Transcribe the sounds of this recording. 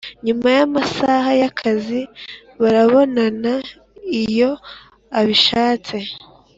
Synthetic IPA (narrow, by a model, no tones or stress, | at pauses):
ɲumajamasaɦajakʰazi | βaɾaβo̞nana | ijo̞ | aβiʃaːt͡se̞